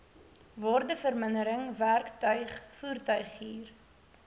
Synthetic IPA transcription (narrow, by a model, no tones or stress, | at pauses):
vɔrdəfərmənəɾəŋværktœɥχfuːrtœɥχiːr